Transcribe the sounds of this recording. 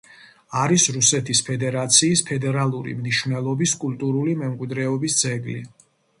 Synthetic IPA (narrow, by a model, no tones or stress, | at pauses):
aɾisɾusɛt̪ʰispʰɛd̪ɛɾat̪sʰiːspʰɛd̪ɛɾalˠuɾḭmniʃvnɛlˠɔbiskʼult̪ʼuɾulimɛmkʼwid̪ɾɛɔbisd̪zɛɡlḭ